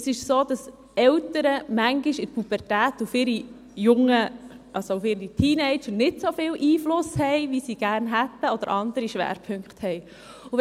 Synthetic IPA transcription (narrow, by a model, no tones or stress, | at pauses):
əsɪʃsoːd̥ɑs | ɛlt̪əɾəmæŋɡiʃɪt̚pʰub̥əɾtæːt̪ufɪɾi | jʊŋːə | ʔɑsoufɪɾitʰiːnɛɪt͡ʃəɾnɪtsofɪlʔiːflʊshɛɪʋisiɡ̥æːɾnɦæt̪ːəɔd̥̪əɾʔɑnd̪əɾiʃʋæ̰ːɾpʰɵŋkχthɛɪ | uʋ